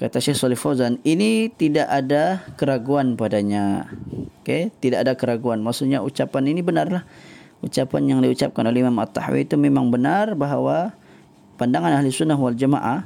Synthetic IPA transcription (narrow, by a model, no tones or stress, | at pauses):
kat̪aʃexsɔlihfozaninit̪idaʔadakəɾaɡuanpadaɲa | ket̪idaʔadakəɾaɡuanmaʔsuɲaut͡ʃapaninibənarlah | ut͡ʃapanjaŋdiut͡ʃa̰p̚kanolɛimamat̪ːa̰hwḭːt̪umemaŋbənarbaɦawa | pandaŋanaɦlisunːaɦwald͡ʒama̰ʔa